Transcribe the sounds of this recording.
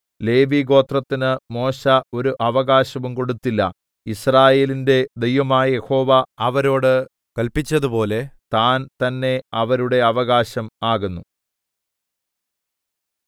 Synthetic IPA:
le̞ːʋiɡo̞ːt̪rɐt̪ːinɨmo̞ːɕɐo̞ɾuʔɐʋɐɣaːɕɐʋumko̞ɽut̪ːilːɐ̰ | israːje̞ːlinde̞d̪e̞jʋɐmaːjɐje̞ho̞ːʋaɐʋɐɾo̞ːɽɨ | kɐlpit͡ɕːɐðupo̞ːle̞t̪aːnt̪ɐnːe̞ɐʋɐɾuɽe̞ɐʋɐɣaːɕɐmaːɣunːu

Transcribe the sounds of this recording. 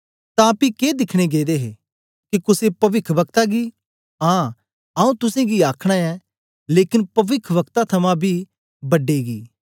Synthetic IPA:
t̪ãpikeːd̪ɪkʰɽ̃eɡeːd̪eɦe | kikʊsepɐʋɪkʰʋɐk̚t̪aɡi | ɦãː | ɐũt̪ʊsẽɡiaːkʰɽ̃aɛː | leːkɪnpɐʋɪkʰʋɐkt̪at̪ʰɐmãbʱi | bɐɖeɡiː

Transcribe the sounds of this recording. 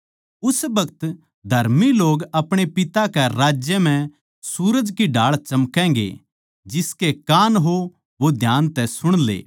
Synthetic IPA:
ʊsbɐkət̪ | d̪ʱɐɾmiloːɡɐpɽ̃epɪt̪akɛɾaːd͡ʒjəm̤ɛ̃ | suːɾəd͡ʒkiɖaːɭt͡ʃɐmkɛ̃ːŋɡḛ | d͡ʒɪskekaːnɦo | ʋod̪ʱjaːnt̪ɛsʊɽ̃lḛː

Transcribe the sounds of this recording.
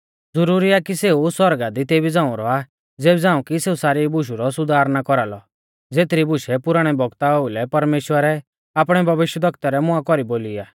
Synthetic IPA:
d͡zʊɾuːɾiakiseːuswɔɾɡad̪it̪eːbid͡zãːʊ̃ɾɔa | d͡zeːbid͡zãːũkiseːusaːɾibʊʃ̬uɾɔsʊd̪ʱaːɾnakɔɾalɔ | d͡zeːt̪ɾibʊʃɛpʊɾaɽ̃ɛbʱɔɡt̪aɦoulɛpɐɾmeːʃwəɾɛ | aːpɽ̃ɛbʱɐʋɪʃjəd̪ɔkt̪aɾɛmʊãkɔɾiboːliaː

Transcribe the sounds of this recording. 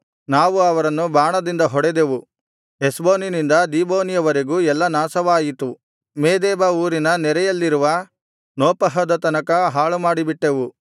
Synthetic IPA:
naːʋuɐʋɐɾɐnːubaːɳɐd̪ind̪ɐɦɔɽed̪e̞ʋu | esboːninind̪ɐd̪iːboːnijɐʋɐɾeɡuːɛlːɐnaːsɐʋaːjit̪u | meːd̪ɛːbɐuːɾinɐnɛɾɛjɐlːiɾuʋɐ | noːpɐɦɐd̪ɐt̪ɐnɐkɐɦaːɭumaːɽibiʈːeʋu

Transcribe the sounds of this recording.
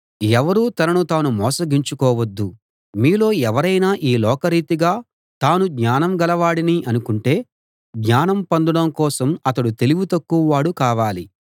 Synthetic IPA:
ɛʋɐɾuːt̪ɐnɐnut̪aːnumɔːsɐɡiɲt͡ʃukɔːʋɐd̪ːu | miːlo̞ːɛʋɐɾɐjnaːʔiːlɔːkɐɾiːt̪iɡaː | t̪aːnuɡɲaːnɐmɡɐlɐʋaːɽiniʔɐnukuɳʈe̞ː | ɡɲaːnɐmpɐnd̪ɐɽɐmkɔːsɐmɐt̪ɐɽut̪e̞liɡut̪ɐkːuʋɐʋaːɽukaːʋaːli

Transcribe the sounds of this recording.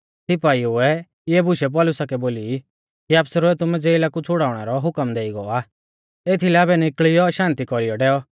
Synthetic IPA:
sɪpaːiʊɛ | jɛːbʱʊʃɛp̬ɔːlʊsakɛboːli | kiaːpsɾoɛt̪ʊmɛ̃d͡zeːilakut͡sʰʊɽaːʊɽ̃ɛɾɔɦʊkəmd̪eːiɡɔaː | eːt̪ʰilɛabɛnɪkɭijɔʃãːnt̪ikɔɾijɔɖɛːɔ

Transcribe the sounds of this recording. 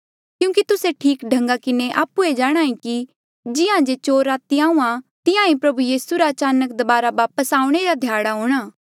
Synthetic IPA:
kjũːkit̪ʊseʈʰiːkɖʱɐ̃ŋɡakɪneʔaːpued͡ʒaːɽ̃aːĩki | d͡ʒɪãd͡ʒet͡ʃoːɾaːt̪iãːũãt̪ɪjãĩpɾɐbujiːsuɾaːt͡ʃaːnək̚d̪ɐbaːɾaʋaːpəsaːũɽ̃eɾad̪ʱjaːɽaɦoːɽ̃aː

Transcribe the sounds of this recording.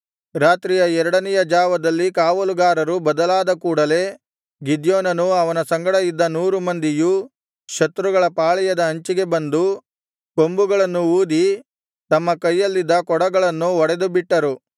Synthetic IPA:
ɾaːt̪ɾijɐɛɾɐɽɐnɛjɐd͡ʒaːʋɐd̪ɐlːikaːʋɐluɡaːɾɐɾubɐd̪ɐlaːd̪ɐkuːɽɐle̞ː | ɡid̪joːnɐnuɐʋɐnɐsɐŋɡɐɽɐjid̪ːɐnuːɾumɐnd̪iju | ʃɐt̪ɾuɡɐɭɐpaːɭɛjɐd̪ɐːɲt͡ʃiɡe̞bɐnd̪u | ko̞mbuɡɐɭɐnːuuːd̪i | t̪ɐmːɐkɐjːɐlːid̪ːɐkɔɽɐɡɐɭɐnːuɔɽed̪ubiʈːɐɾu

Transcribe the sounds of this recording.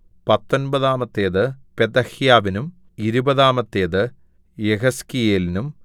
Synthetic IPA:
pɐt̪ːo̞nbɐðaːmɐt̪ːeːðɨped̪ɐhjaːʋinum | iɾubɐðaːmɐt̪ːeːðɨ | jeɣɐskijeːlinum

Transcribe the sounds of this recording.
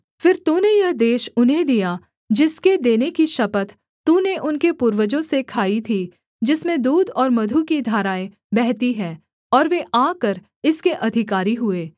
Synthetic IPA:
fɪɾt̪uːnejɐɦd̪eːʃʊnɦẽd̪ija | d͡ʒɪsked̪eːnekiʃɐpət̪ | t̪uneʔʊnkepuːɾwəd͡ʒõsekʰaːit̪ʰiː | d͡ʒɪsmẽd̪uːd̪ɔːɾmɐd̪ʱukid̪ʱaːɾaːe | bɛɦt̪iɦɛ̃ː | ɔːɾʋeʔaːkəɾ | ɪskeʔɐd̪ʱɪkaːɾiɦʊeː

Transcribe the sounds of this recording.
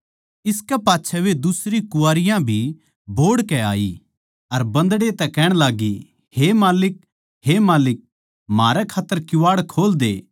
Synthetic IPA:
ɪskɛpaːtːʃʰɛʋed̪ʊsɾikʊaːɾɪjãbʱi | boːɽkɛa̰ːḭ | ɐɾbɐ̃nd̪ɽet̪ɛkɛːɽ̃laːɡi | hemaːlɪk̚ | hemaːlɪk̚ | maːɾɛkʰaːt̪ːəɾkjʊʋaːɽkʰoːld̪eː

